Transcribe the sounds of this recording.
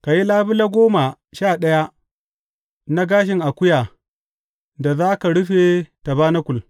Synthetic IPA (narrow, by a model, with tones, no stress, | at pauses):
ka˨ji˦laː˦bɪ˦la˦ɡʷoː˦ma˨ | ʃaː˦˨ɗɐ˦ja˦ | na˦ɡaː˦ʃ̬ɪ˨ŋʔa˨kʷʊ˦ja˨ | da˨zaː˦ka˨ɽʊ˦ɸe˨ta˨baː˦na˦kʷʊ˨l